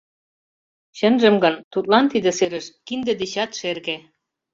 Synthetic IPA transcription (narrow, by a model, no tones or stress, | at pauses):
ɕə̆nʒə̆mɡɤnt̪ut̪̚lɑnt̪id̪ə̆seɾə̆ʃkind̪ĕd̪eɕɑt̪ʃerɣe